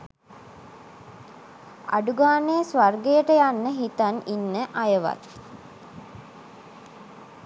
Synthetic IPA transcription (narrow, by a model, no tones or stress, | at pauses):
a̰ɖuɡaːnejəsʋarɡejəʈəjanːəɦit̪aninːəʔajəʋa̰t̪